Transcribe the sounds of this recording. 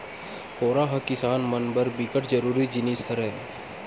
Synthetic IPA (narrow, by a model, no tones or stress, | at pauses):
poːɾaɦɐkɪsaːnmɐnbəɾbɪkəʈd͡ʒɐɾuːɾid͡ʒɪnisɐɾɛ